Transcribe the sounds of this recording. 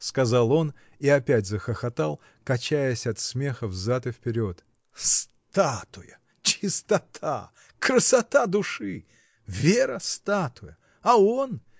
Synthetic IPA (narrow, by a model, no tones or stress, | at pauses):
skɐzalˠo̞n | iɐpʲætʲzəxəxɐt̪alˠ | kɐt͡ɕæjəsʲɐt̪smʲe̞xəvzat̪ɨfpʲɪɾʲo̞t̪ | s | t̪at̪ʊjə | t͡ɕɪst̪ɐt̪ʰa̰ | kɾəsɐt̪ad̪ʊʂɨ | vʲeɾəst̪at̪ʊjə | ɐon